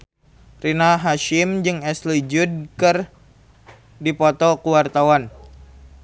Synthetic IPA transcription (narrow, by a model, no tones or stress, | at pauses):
rinaɦaʃimd͡ʒɨŋɛslid͡ʒud̚kɨr | dipɔt̪ɔkuwart̪awan